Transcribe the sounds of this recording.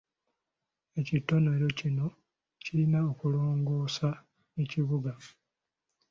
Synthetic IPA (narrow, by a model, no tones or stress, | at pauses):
e̞citːo̞no̞ɾo̞cino̞ | cilinaokuloːŋɡo̞ːsa | eciβuɡa